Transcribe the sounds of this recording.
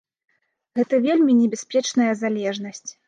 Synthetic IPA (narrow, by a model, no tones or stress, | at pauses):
ɣɛt̪ɐvʲelʲmʲinʲɛbʲaspʲɛt͡ʂn̪ɐjɐzalʲɛʐn̪ɐsʲt͡sʲ